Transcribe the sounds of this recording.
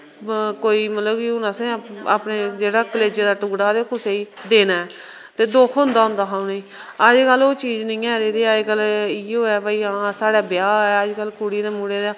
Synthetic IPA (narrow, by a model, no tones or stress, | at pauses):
koːiːmət̪ləbkiʊnãːsẽːa̰ːpneːd͡ʒeːɽaːkəleːd͡ʒeːd̪aːʈʊːɡɽaːd̪eːkʰʊseːiːd̪eːnaːɛː | t̪eːd̪oːkʰʊ̃nd̪aːɦʊ̃nd̪aːɦaũːnĩː | əd͡ʒkəlːoːt͡ʃiːd͡ʒnəĩːɛːɾeːd̪eːaːkəliːoːɛːbaiːãːsaːɽaːbɪjaːɛːəd͡ʒkəlkuːɽid̪aːmuːɽeːd̪aː